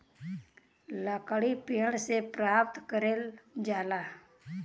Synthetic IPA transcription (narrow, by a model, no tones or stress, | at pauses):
ləkɽipiːəɽsepɾaːp̚t̪kəɾeːld͡ʒaːlaː